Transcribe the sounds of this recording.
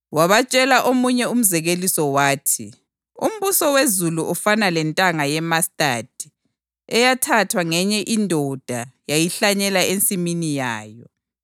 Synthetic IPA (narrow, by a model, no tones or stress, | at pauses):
waβat͡ʃʼɛlaʔomuɲɛum̩zɛɣelisɔwaːtʰḭ | ṵm̩βusɔwezuluʔɔfanalɛntʼaŋajɛmastʼad̥ʱi̥ | ɛjatʰatʰwaŋɛɲɛʔindʱɔd̥ʱajajiɬaɲɛlaent͡sʼiminijaːjɔ